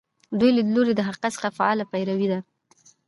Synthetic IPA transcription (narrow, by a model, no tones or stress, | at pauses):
d̪ujlad̪loɾed̪əɦaqasə̥xafaɑlapajɾawid̪a